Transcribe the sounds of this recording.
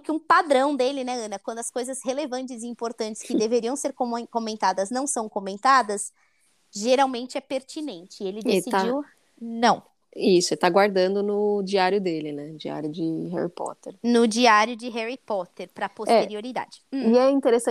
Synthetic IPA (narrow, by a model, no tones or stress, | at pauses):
kɪũpad̪ɾɐ̃w̃d̪elɪnɛɐ̃nɐkwɐ̃nd̪ʊɐskojzɐzhelevɐ̃nt͡ʃɪziĩmpoɾt̪ɐ̃nt͡ʃɪ̥skɪd̪eveɾiɐ̃w̃seɾkokomẽnt̪ad̪ɐznɐ̃w̃sɐ̃w̃komẽnt̪ad̪ɐs | ʒeɾawmẽnt͡ʃɪɛpeɾt͡ʃinẽnt͡ʃɪelɪd̪esiad͡ʒiw | nɐ̃w̃ | isʊelɪt̪aɡwaɾd̪ɐ̃nd̪ʊnʊd͡ʒiaɾjʊd̪elɪnɛd͡ʒia̰ɾjʊd͡ʒɪɦɛ̰ɾipɔ̰t̪ḛɾnʊd͡ʒiaɾjʊd͡ʒɪɦɛɾipɔt̪eɾpɾɐpotɛeɾioɾid̪a̰d͡ʒɪiɛĩnt̪eɾesɐ̃